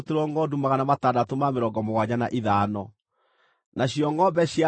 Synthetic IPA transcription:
teɾwɔŋɡɔdumaɣanamatadatomameɾɔɡɔmoɣwaɲana̰ʔeðaːnɔ | naɕijɔŋɡɔbɛɕja

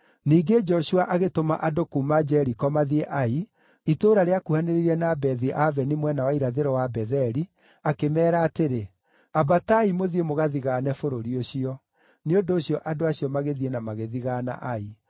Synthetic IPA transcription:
niːɡed͡ʒɔɕuaʔaɣetoma̰ʔadokumad͡ʒɛɾikɔmaðieʔai | itoːɾaɾeakuhaneɾeiɾɛnabɛðiʔavɛnimwɛnawaiɾaðeɾɔwabɛðɛɾi | akemɛːɾaːteɾe | abataimoðiemoɣaðiɣaːnɛfoɾoɾioɕiɔ | neondoːɕiɔʔadoaɕiɔmaɣeðienamaɣeðiɣaːna̰ʔai

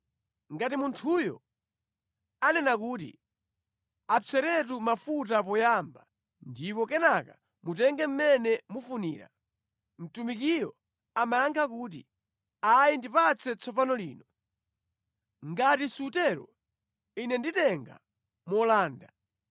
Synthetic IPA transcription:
ŋɡatimuntʰujɔ̰ | anɛnakuːtḭ | at͡sʰɛɾɛt̬umafut̬ap̬ɔjamba | ndipɔkɛnaka | mutɛŋɡɛm̩mɛnɛmufunḭːɾa̰ | m̩tumikiɾɔ | amajaŋkʰakuːt̬ḭ | ajindipat͡sʰɛt͡sʰɔpanɔlḭːnɔ | ŋɡatisutɛɾɔ̰ | inɛnditɛŋɡa̰ | mɔlaːnda̰

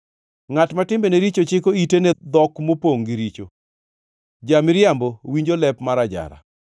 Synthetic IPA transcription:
ŋatmatɪmbeneɾit͡ʃot͡ʃɪkoitenɛd̪ɔkmopoŋɡiɾit͡ʃo̰ | d͡ʒamɪɾjambowiɲd͡ʒolɛpmaɾad͡ʒa̰ɾa̰

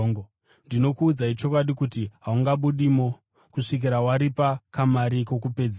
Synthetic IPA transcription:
ŋɡo | ndino̞kuːd͡zait͡ʃo̞kwaɗikutiɦauŋɡaɓuɗimo | kuʂik̬iɾawaɾipakamaɾiko̞k̬upe̞d͡z

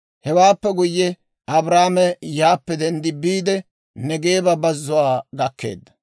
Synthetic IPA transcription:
hɛwaːpːɛɡʊjːɛ | ʔɐbɾaːmɛjaːpːɛd̪ɛnd̪ɪbiːd̪ɛ | nɛɡe̞ːbɐbɐzːʊwaːɡɐkːe̞̰ːd̪ːɐ̥

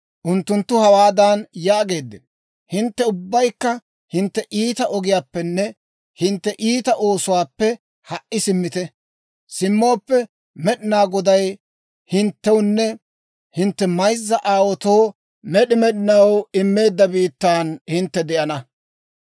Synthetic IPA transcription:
ʔʊnt̪ːʊnt̪ːʊhɐwaːd̪anjaːɡe̞ːd̪ːɛn | hɪnt̪ːɛʊbːɐjkːɐ | hɪnt̪ːɛʔiːt̪ɐʔɔɡɪjaːpːɛnːɛ | hɪnt̪ːɛʔiːt̪ɐʔo̞ːsʊwaːpːɛ | hɐʔʔːɪsɪmːɪt̪ɛ | sɪmːo̞ːpːɛ | mɛɗɪnaːɡɔd̪ɐj | hɪnt̪ːɛwnːɛ | hɪnt̪ːɛmɐjzːɐʔaːwɔt̪o̞ː | mɛɗɪmɛɗɪnɐwɪmːe̞ːd̪ːɐbiːt̪ːaːnhɪnt̪ːɛd̪ɛʔɐnɐ

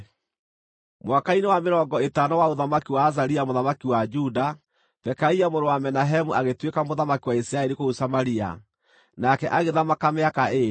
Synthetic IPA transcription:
mwakainewameɾɔŋɡɔetanawaoðamakiwaːzaɾiamoðamakiwad͡ʒuda | tɛkaiamoɾowamɛnaɦɛmuaɣetwekamoðamakiwaisɾaɛɾikousamaɾia̰ | nakɛʔaɣeðamakameakae

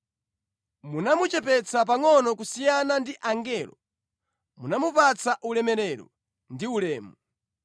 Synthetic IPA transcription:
munamut͡ʃɛpɛt͡sʰapaŋɔnɔkusijanandiʔaŋɡɛːlɔ | munamupat͡saʔulɛmɛɾɛɾɔ̰ | ndiulɛːmu

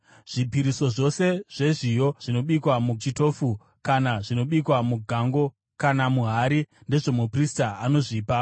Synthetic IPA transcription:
ʐ̥ipiɾiso̞ʐo̞se̞ʐ̥e̞ʐijo̞ʐ̥ino̞ɓikwamut͡ʃito̞ːfu | kanaʐino̞ɓikwamuɡʱaŋɡo̞ | kanamuɦaɾinde̞ʐo̞mupristaano̞ʐiːpa

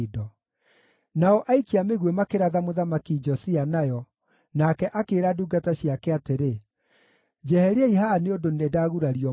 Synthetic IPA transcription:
dɔ | naɔʔaikiameɣwemakeɾaðamoðamakid͡ʒɔsianajɔ | nakɛʔakeːɾaduːɡataɕjakɛateɾe | d͡ʒɛhɛɾeɛiɦaneondonedaːɣuɾaɾiɔ

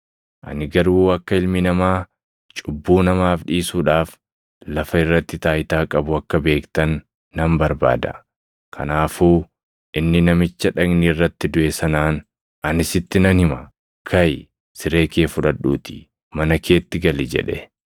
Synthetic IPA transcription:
ʔɐ̰nɪɡɐɾuːɐkːɐɪlmɪnɐmaː | t͡ʃʼʊbːuːnɐmaːfᶑiːsuːᶑaːf | lɐfɐɪrːɐt̪ːɪt̪aːɪt̪aːkʼɐbʊɐkːɐbe̞ːkt̪ɐnː | ɐmbɐɾba̰ːd̪ɐ̰ | kʰɐ̰naːfuː | ʔɪnːɪnɐmɪt͡ʃːɐᶑɐɡnɪːrːɐt̪ːɪd̪ʊʔɛsɐnaːn | ɐnɪsɪt̪ːɪnɐnhɪmɐ | kʰɐj | sɪɾe̞ːkeːfʊᶑɐᶑuːt̪ɪ̥ | mɐnɐkʰe̞ːt̪ːɪɡɐlɪd͡ʒɛ̰ᶑɛ

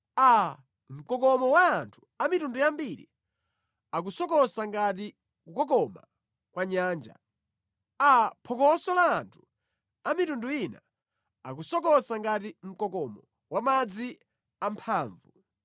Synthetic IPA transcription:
a | m̩kɔkɔmɔwaːntʰu̥ | amitundujambiɾḭ | ak̬usɔkɔsaŋɡati | kukɔkɔma̰ | kwaɲaːnd͡ʒa̰ | apʰɔkɔsɔlaːntʰu̥ | amitunduina̰ | ak̬usɔkɔsaŋɡatim̩kɔkɔmɔ | wamad͡zi | ampʰaːɱvṵ

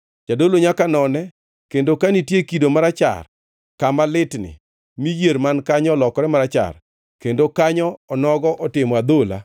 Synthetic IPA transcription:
t͡ʃadoloɲakanɔnɛ | kendokanitjekidomaɾat͡ʃa̰r | kamalɪtnɪ̰ | mijeɾmankaɲɔɔlɔkɔɾɛmaɾat͡ʃa̰r | kendokaɲɔːnɔɡɔʔɔtɪmɔad̪ola̰

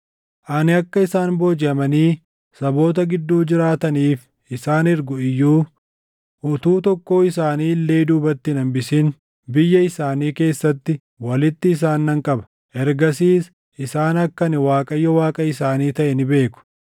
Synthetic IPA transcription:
ʔɐnɪɐkːɐɪsaːnboːd͡ʒɪɐmɐniː | sɐbo̞ːt̪̬ɐɡɪd̪ːuːd͡ʒɪɾaːt̪ɐniːf | ɪsaːnɪɾɡʊɪjːuː | ʔʊt̪uːt̪ɔkːo̞ːɪsaːniːlːe̞ːd̪uːbɐt̪ːɪnɐmbɪsɪn | bɪjːɐɪsaːniːke̞ːsːɐt̪ːɪ | wɐlɪt̪ːɪːs̬aːnːɐŋkʼɐbɐ̥ | ʔɛɾɡɐsiːs | ʔɪsaːnɐkːɐnɪwaːkʼɐjːɔwaːkʼɐɪsaːniːt̪ɐʔɛnɪbe̞ːkʊ̥

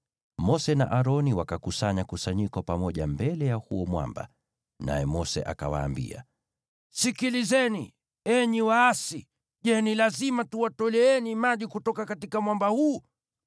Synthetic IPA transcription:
mɔsɛna̰ʔaɾɔniwakakusaɲakusaɲikɔpamɔʄambɛlɛjahuɔmwa̰mba̰ | na̰jɛmɔsɛ̰ʔa̰kawa̰ːmbḭa̰ | sikilizɛni | ɛɲiwaːsi | ʄɛnilazimatuwatɔlɛɛnimaʄikutɔkakatikamwambahuː

